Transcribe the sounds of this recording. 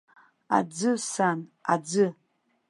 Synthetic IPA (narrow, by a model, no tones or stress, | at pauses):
a̰d͡zɨsana̰d͡zɨ